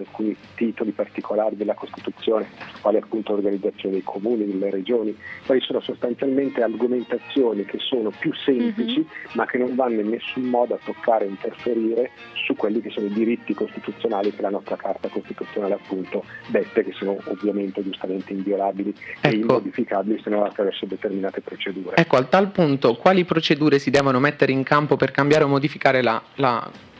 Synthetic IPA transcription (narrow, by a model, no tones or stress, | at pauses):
alkuːnit̪it̪olipart̪ikʰolaːɾid̪elːakost̪it̪ut̪sːjoːnesu̥kwaːliapːunt̪olorɡanid̪zːat̪sjoːned̪ejkʰomuːnid̪elːeɾed͡ʒoːnikwaːlisoːnosost̪ant̪sjalment̪earɡoment̪at̪sːjoːnik̟esːoːnopjusːɛmplit͡ʃimak̟ːenːoɱvanːoinːesːumːɔːd̪oat̪ːokʰːaːɾeint̪erfeɾiːɾe | sukːwelːikesːoːnoid̪iɾit̪ːikost̪it̪ut̪sːjonaːlikelanɔst̪ɾakʰart̪akost̪it̪ut̪sːjonaːleapːunt̪od̪ɛt̪ːekesːoːnoovːjament̪ed͡ʒust̪ament̪eiɱvjolaːbiliɛekimːood̪ifikaːbilisenonat̪ːɾavɛrsod̪et̪erminaːt̪epɾot͡ʃed̪uːɾeɛkːoat̪ːalpunt̪okwaːlipɾot͡ʃed̪uːɾesid̪ɛːvonomet̪ːeɾeiŋkampoperkambjaːɾeomːod̪ifikaːɾelala̰